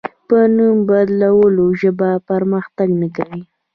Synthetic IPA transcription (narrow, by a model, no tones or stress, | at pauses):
pənumbad̪lawəloʒəbapaɾməxt̪aɡnikawi